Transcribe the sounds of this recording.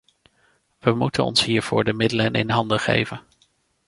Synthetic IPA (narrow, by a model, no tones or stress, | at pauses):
ʋəmutənɔ̰nsɦiːɹv̥ʊːɹdəmɪdələnʔɪ̰nɦɑndəχḛjvən